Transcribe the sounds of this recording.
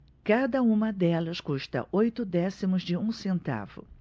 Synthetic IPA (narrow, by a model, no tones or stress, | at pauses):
kad̪ɐũmɐd̪ɛlɐskuʃt̪ɐ̰ʔojt̪ʊd̪ɛsimʊzd͡ʒɪũsẽnt̪a̰vʊ̰